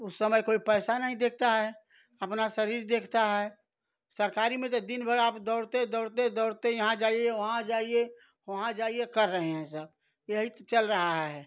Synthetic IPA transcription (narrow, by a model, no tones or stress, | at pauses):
ʊsːəməjkoːipɛːsanəɐɦĩd̪eːk̚ʰt̪aɦɛ | ɐpnaʃɐɾiːɾd̪eːkʰt̪aɦɛ | sɐɾkaːɾimẽt̪od̪ɪnbʱəɾaːpd̪ɔːʊɾt̪ed̪ɔʊɾt̪ed̪ɔʊɾt̪ẽjɐɦãd͡ʒaːieeʋɐɦãd͡ʒaːie | ʋɐɦãd͡ʒaːiekɐɾːəɦeɦɛ̃səb̚ | jəɦit̪t͡ʃɐlɾɐɦaɦɦɛː